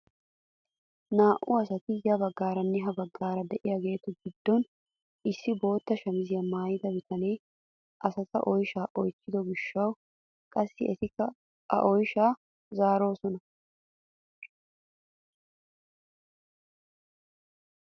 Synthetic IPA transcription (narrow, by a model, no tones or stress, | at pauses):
naːʔʊɐsɐt̪ɪjɐbɐɡːaːɾɐnːɛɦɐbɐɡːaːɾɐd̪ɛʔɪjaɡe̞ːt̪ʊɡɪd̪ːɔn | ʔɪsːɪbo̞ːt̪ːɐʃɐmɪzɪjɐmaːjɪd̪ɐbɪt̪ɐnej | ʔɐsɐt̪ɐ̰ʔɔjʃaːʔɔjt͡ʃːɪd̪ɔɡɪʃːɐw | kʼɐsːɪɛt̪ɪkːɐ | ɐ̰ʔɔjʃaː | zaːɾo̞ːsɔnɐ